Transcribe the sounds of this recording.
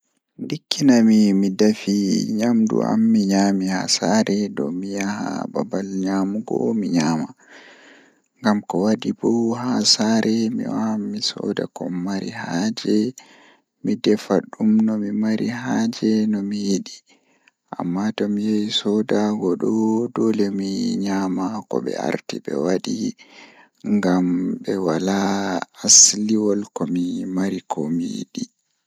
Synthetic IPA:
ndikʰːinamimidafiɲamdṵa̰mːiɲamiha̰saɾɛdɔ̰mijaha̰ba̰balɲamuɡɔ̰miɲaːma | ŋɡamkɔwadibɔhasaɾʔɛmḭwaamːisɔ̰ːda̰kɔmːaɾḭhad͡ʒɛ | midɛfa̰ɗumnɔmimaɾiɦaːd͡ʒɛnɔmijiɗi | ʔamːatɔmijajsɔdaɡɔɗɔdɔlɛmiɲamakɔɓɛ̰a̰ɾtibɛ̰waɗi | ŋɡambɛwalaː | sliwɔlkɔmimaɾikʰɔmijḭɗi

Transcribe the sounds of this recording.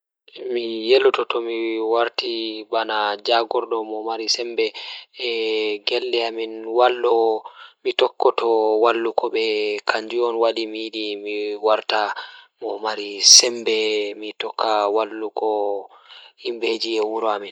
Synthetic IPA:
mijelɔtɔtɔmiwaɾtibanad͡ʒaɡɔɾdɔmɔmaɾisɛmbɛ | ɡɛlːɛaminwalːɔmitɔkːɔtɔwalːukɔɓɛkʰaɲd͡ʒiɔnwaɗimiɗimiwaɾtamɔmaɾisɛmbɛmitɔkːawalːukɔ | himbed͡ʒiɛwuɾɔamin

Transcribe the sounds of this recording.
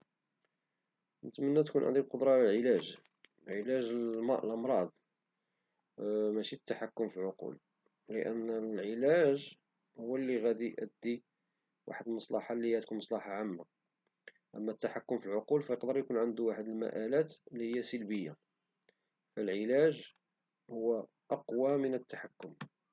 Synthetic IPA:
nət̪mənːæt̪kunʕə̰nd̪ulqod̪ɾˤɑlælʕəlæʒ | ʕəlæʒmʔlʔɑmɾˤɑd̪ˤ | mæʃit̪ːaħakːʊmfilʕoqṵl | lə̰ʔə̰nːlʕəlæʒ | hʊːəlːiɣæd̪iʔə̰d̪ːi | wa̰ħəd̪əlmɑsˤlɑħɑlːihæd̪kunmɑsˤlɑħɑʕamːa | ʔə̰mːæt̪ːaħakːʊmfilʕoqulfæjəqd̪əɾjkunʕənd̪uwaħəd̪əlmæ̰ʔælæt̪lːihəjːæsəlbəjːa | fəlʕəlæʒ | hʊwːæ | ʔɑqwamənət̪ːaħakːʊm

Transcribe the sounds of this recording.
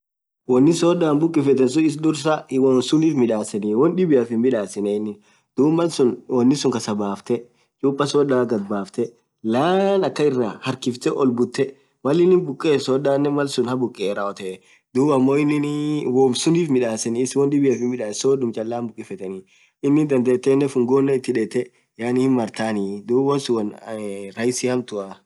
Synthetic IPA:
wɔnːɪsɔdaːnbʊkʼːɪfɛt̪ɛns̬ʊɪs̬d̪ʊɾs̬ɐwɔnsʊniːfmɪᶑaːsɐniwɔnᶑɪbɪɐfɪnmɪᶑaːsɛnɛɪnːɪ | d̪̥uːbmɐlsʊnwɔnːɪsʊŋkɐsɐbaːft̪ɛ | t͡ʃʼuːpːɐsɔːdaːɡɐd̪̚baːft̪ɛ | laːnɐkːɐɪrːaːhɐɾkɪft̪ɛʔɔlbʊt̪ːɛ | mɐlːɪnːɪnbʊkʼːeːsɔɗaːnːɛmɐlsʊnhɐbʊkʼːeɾɐɔt̪ɛ | d̪uːbɐmːoːɪnːɪnwoːmsʊniːfmɪᶑaːsɛnɪswɔnd̪ɪbɪɐfɪmɪᶑaːsoːdʊmt͡ʃʼɐlːaːnbʊkʼːɪfɛt̪ɛnɪ | ɪnːɪnd̪ɐnd̪eːt̪ːeːnːɛfʊŋɡoːnːɛɪt̪ːɪᶑeːt̪ːɛ | jaːnɪhɪnmɐɾt̪aːnid̪uːbɔnsʊwɐnɾɐjɪsɪhɐmt̪ʊɐ

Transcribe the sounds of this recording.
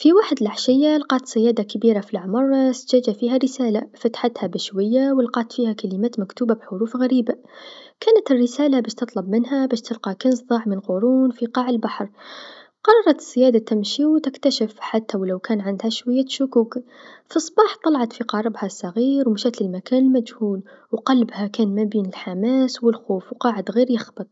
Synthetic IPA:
fiwaːħɪd̪ɪlʔaħʃɪjːalqɑːt̪sɪjaːd̪akabiːɾafilʕamɑɾˤsd͡ʒaːd͡ʒafiːɦarɪsaːlafat̪ħat̪habɪʃwajːawɪlqɑːt̪fiːhakalɪmaːt̪makt̪uːbabħʊɾuːfɣaɾiːba | kaːnat̪ɪrːɪsaːlabæːʃt̪ɨt̪ˤlɑbmɪnɦabæːʃt̪ɪlqɑkɪnsˤðˤɑʕmɪnqʊɾuːnfiqɑːʕɪlbaħɾˤ | qɑɾˤɑɾˤɑt̪ɪ̥z̥ːɪjaːd̪at̪ɪmʃiwt̪ɪkt̪aʃɪfħat̪ːawlawkæːnʕand̪haʃwajːaʃʊkuːkfisˤːbɑːħt̪ˤɑlɑʕɑt̪fiqɑɾˤɪbhasˤːɑɣiːɾwmʃaːt̪lɪlmakæːnɪlmad͡ʒhuːlwqɑlbhakaːnmabiːnɪlħamaːswɪlxoːfwqɑːʕɪd̪ɣiːɾjɪxbɨt̪ˤ

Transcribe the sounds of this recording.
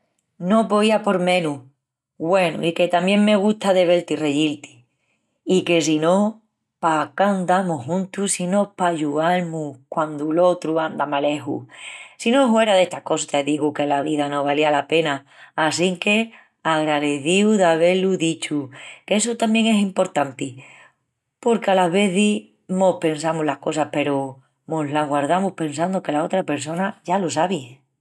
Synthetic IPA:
no̞po̞iapo̞ɾmẽ̞nu | ɣwe̞nṵike̞t̪amjeŋme̞ɣ̞ut̪aðe̞βe̞lt̪ire̞jilt̪i̥ | ike̞sino̞ | pakand̪amuɦũnt̪usino̞paʝuaɾmukwand̪ulo̞t̪ɾuand̪amale̞ɦṵsino̞ɦwe̞ɾaðe̞ht̪ako̞sḁt̪eðiɣuke̞laβiðano̞βalialape̞naː | siŋke̞ | aɣɾaðeθiwðaβe̞luðit͡ʃukesut̪ambje̞ŋe̞simpo̞ɾt̪ant̪i | po̞ɾkealaβe̞θi | mope̞nsamulahko̞sape̞ɾo | moɦlaɦɣwaɾðamupe̞ns̬and̪oke̞lao̞t̪ɾape̞ɾs̬o̞naʝalosaβi

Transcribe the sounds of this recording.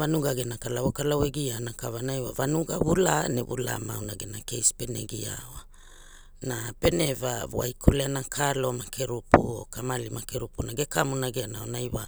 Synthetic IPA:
vanuɡaɡenakalawakalaweɡianakavanajwavanuɡaβulaneβṵla̰mawnaɡenake̞jspe̞nḛɡia̰wa | nape̞ne̞vavoa̰jkʰoleanakʰalo̞makʰeɾupuo̰kamalimakeɾupunaɡekamunaɡeanaonajwa

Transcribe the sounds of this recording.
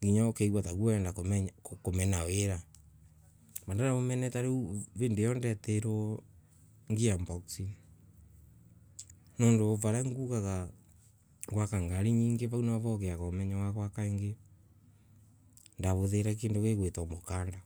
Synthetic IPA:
ɡiɲaokeɣwataɣwaɛndakomɛɲkomɛnaweɾa | bandanaβomɛnɛtaɾeβeːndejɔndɛtɛɾo | ŋɡiambɔksi | noːndovaɾaŋɡukaɣa | ɡwakaŋɡaɾiɲiːŋɡeβaunaaβɔɣeaɣamɛɲawaɣwakaeŋɡe | ndaβoðeɾɛk̬eːndoɣeɣwetɔmokaːnda

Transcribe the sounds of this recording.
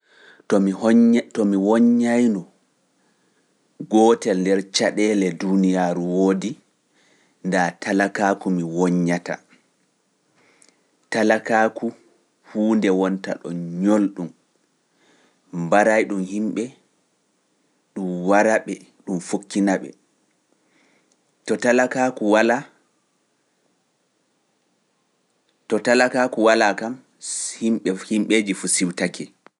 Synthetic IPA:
tɔmtɔmiwɔɲːajnɔ | ɡɔːtɛlndɛɾt͡ʃaɗɛlɛdunijaːɾuwoːdi | ndatalakaːkumiwɔɲːata̰ | talakaku | huːndɛwɔnta̰ɗɔ̰nɲolɗum | baɾajɗumhimɓɛ | ɗumwaɾaɓɛ | ɗumfokːinaɓɛ̰ | tɔtalakakuwala | tɔtalakaːkuwalakam | himɓɛhimɓeːd͡ʒifusiwtakʰɛ

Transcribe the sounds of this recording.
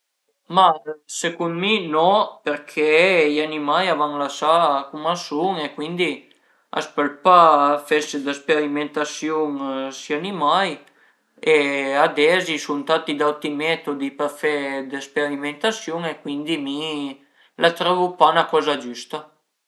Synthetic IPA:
masekund̪minɔperkʰɛjanimajavaŋlasakumasuŋekwind̪i | a̰spəlpafɛsd̪əspeɾiment̪asjuŋsianimaj | ead̪ɛzisunt̪at̪id̪awt̪imɛt̪od̪ipərfɛd̪espeɾiment̪asjuŋekwind̪imi | lat̪ɾɔvupanakɔːzad͡ʒust̪a

